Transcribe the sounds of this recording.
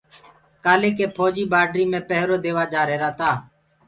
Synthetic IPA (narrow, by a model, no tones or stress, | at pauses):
kaːleːkeːpʰoːd͡ʒiːbaːɖɾiːmẽːpəɦɾoːd̪eːʋaːd͡ʒaːɾeːɾaːt̪aː